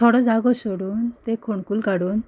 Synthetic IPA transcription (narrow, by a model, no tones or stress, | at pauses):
tʰɔɽɔd͡zaɡɔsoɽuːnt̪ekʰoɳkulkaɽuːn